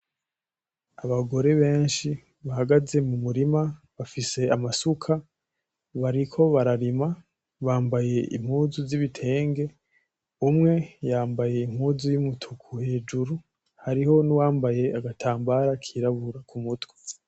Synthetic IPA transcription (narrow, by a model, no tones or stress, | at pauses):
aβaɡo̞ɾe̞βe̞ːnʃi | βaɦaɡaze̞mumuɾima | βafise̞amasukʰa | βaɾikʰo̞βaɾaɾima | βaːmbaje̞ʔḭm̥huːzuziβitʰe̞ːŋɡe̞ | umŋe̞jaːmbaje̞im̥huːzujumutʰukʰuhe̞ːd͡ʒuɾu | haɾiho̞nuwaːmbaje̞aɡatʰaːmbaɾakʰiːɾaβuɾakʰumutwe̥